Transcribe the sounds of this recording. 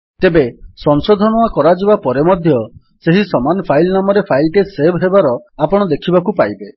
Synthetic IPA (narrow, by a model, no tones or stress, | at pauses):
t̪ebesɔnsod̪ʱɔnɔakɔɾad͡ʒibapɔɾemɔd̪ʱjɔ | seɦisɔmanpʰajlnamɔɾepʰajlʈesebɦebaɾɔapɔɽ̃ɔd̪ekʰibakupajbe